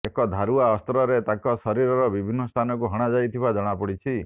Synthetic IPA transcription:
ekɔd̪ʱaɾuaɔst̪ɾɔɾet̪akɔsɔɾiɾɔɾɔbibʱinːɔst̪ʰanɔk̬uɦɔɽ̃ad͡ʒajt̪ʰibad͡ʒɔɽ̃apɔɽit͡ʃʰi

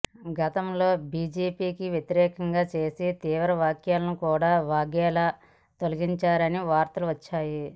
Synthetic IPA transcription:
ɡɐt̪ɐmlo̞ːbiːd͡ʒeːpiːkiʋjet̪iɾɛːkɐŋɡaːt͡ʃe̞ːsit̪iːʋɐɾɐʋaːkjaːlɐnukuːɽaːʋaːɡjaːlɐ | t̪o̞lɐɡiɲt͡ʃaːɾɐniʋaːɾt̪ɐluʋɐt͡ʃːaːji

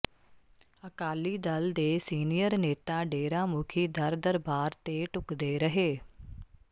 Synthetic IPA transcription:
əkaːliːd̪əld̪eːsiːnijəɾneːt̪ãːɖeːɾãːmʊkʰiːd̪əɾd̪əɾbaːɾt̪eːʈʊkd̪eːɾəɦeː

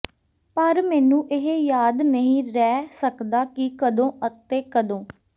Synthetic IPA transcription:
pəɾmɛːnũːʔɪɦejaːd̪nəɦĩːɾɛːsəkd̪aːkɪkəd̪õːʔət̪eːkəd̪õː

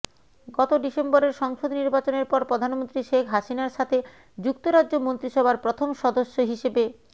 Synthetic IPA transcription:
ɡɔt̪oɖisemboɾeɾʃɔŋʃod̪niɾbat͡ɕoneɾpɔɾpɾod̪ʱanmont̪ɾiʃekʰɦaʃinaɾʃat̪ʰe | d͡ʑuk̚t̪oɾadʑomont̪ɾiʃɔbʱaɾpɾot̪ʰomʃɔd̪oʃːoɦiʃebe

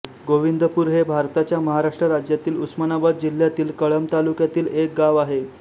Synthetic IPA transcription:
ɡoʋind̪ʱəpuːɾɦebʱaɾt̪at͡ɕjaməɦaɾaʂʈɾəɾad͡ʑjat̪iːlusmanabad̪̚d͡ʑil̤ːjat̪iːlkəɭəmt̪alukjat̪iːlek̚ɡaʋaɦe

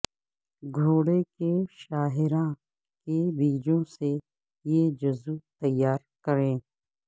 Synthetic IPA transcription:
ɡʱoːɽekeʃaːɦɪɾã | kebiːd͡ʒõse | jed͡ʒʊzut̪ɐjːaːɾkəɾẽː

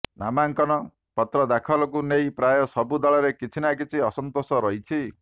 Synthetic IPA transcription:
na̰maŋkɔnɔ | pɔt̪ɾɔd̪akʰɔlɔkunejpɾajɔsɔbud̪ɔɭɔɾekit͡ʃʰinakit͡ʃʰiɔsɔnt̪osɔɾɔɦjt͡ʃʰi

